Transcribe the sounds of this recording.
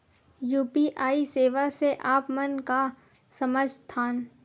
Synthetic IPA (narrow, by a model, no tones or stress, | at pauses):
juːpiʔaːiseːʋaseʔaːpmənka | sɐməd͡ʒʱt̪ʰaːn